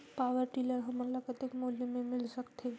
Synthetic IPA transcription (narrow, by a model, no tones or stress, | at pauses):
paːʋəɾʈiːləɾɦɐmɐlakət̪ɪkmoːljemẽmɪlsək̚t̪ʰe